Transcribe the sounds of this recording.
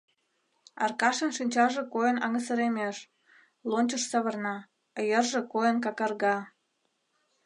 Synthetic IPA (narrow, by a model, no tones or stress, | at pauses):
ɑ̰rkɑʃənʃinʲt͡ɕɑʒĕkojənɑ̰ŋəsəɾemeʃ | lonʲt͡ɕəʃsəβə̆rnɑ | əjərʒekojənkɑkɑrɣɑ